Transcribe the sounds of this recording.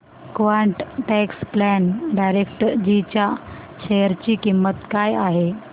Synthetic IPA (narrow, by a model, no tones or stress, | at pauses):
kʋaɳʈʈɛksplɛnɖajɾekʈəɾd͡ʑit͡ɕja | ɕejəɾt͡ɕiːkimːət̪kajaɦe